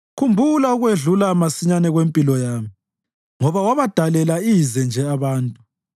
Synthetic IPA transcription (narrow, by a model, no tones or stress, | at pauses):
kʰumbʱulauɣweɮulamasiɲanɛɣwempʼilɔjaːmi | ŋɔβawaβad̥ʱalɛlaizɛnd͡ʒʱɛaβaːntʼu